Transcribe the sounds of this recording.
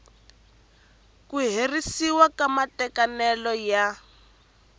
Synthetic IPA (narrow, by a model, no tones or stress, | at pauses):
kuɦerisiwakamatɛkanɛlɔja